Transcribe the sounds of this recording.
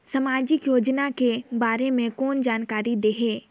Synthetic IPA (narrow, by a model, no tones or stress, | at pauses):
sɐmaːd͡ʒɪkjoːd͡ʒnakebaːɾemẽkɔːnd͡ʒaːnkaːɾid̪eːɦeː